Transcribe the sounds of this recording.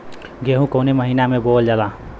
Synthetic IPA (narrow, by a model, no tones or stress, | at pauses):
ɡeɦũkəʊneməɦinamebold͡ʒala